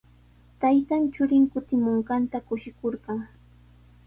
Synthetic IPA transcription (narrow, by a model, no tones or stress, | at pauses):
t̪ajt̪ant͡ʃʊɾɪŋkʊt̪ɪmoɴɢɑnt̪akʊʃɪkoɾɢɑŋ